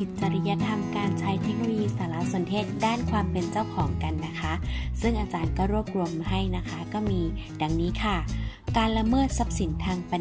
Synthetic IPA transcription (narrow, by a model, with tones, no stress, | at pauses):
i˨˧˥t̪̚t͡ɕa˧ɾi˧˥ja˧˥t̪ʰa˧mkaː˧nt͡ɕʰaː˦˥jt̪ʰe˦˥k̚lo˧jiː˧saː˨˦la˧˥so˨˩˦nt̪ʰeː˥˩t̪̚daː˥˩nkʰwaː˧mpe˧nt͡ɕa˥˩wkʰɔː˩˦ŋka˨nːa˦˥kʰa˦˥ʔsɯ˥˩ŋʔaː˧t͡ɕaː˧nkɔː˥˩wɾu˥˩əp̚ɾu˧əmɦa˥˩jna˦˥kʰa˦˥kɔː˥˩miː˧ | da˧ŋniː˦˥kʰa˥˩kaː˧nla˧mɤː˥˩t̪̚sa˦˥p̚si˨˩˦nt̪ʰaː˧ŋpa˧